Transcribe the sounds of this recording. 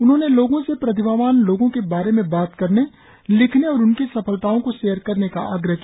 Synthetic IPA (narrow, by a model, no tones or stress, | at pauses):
ʊnɦõneloːɡõsepɾɐt̪ɪbʱaːʋaːnloːɡõkebaːɾemẽbaːt̪kɐɾne | lɪkʰneɔːɾʊnkisɐpəlt̪aːõkoʃeːəɾkɐɾneka̰ʔaːɡɾəɦ